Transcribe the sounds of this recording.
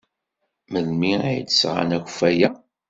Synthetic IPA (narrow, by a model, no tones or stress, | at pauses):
məðmiæj̰t͡sːsʁa̰næç̥fæjæ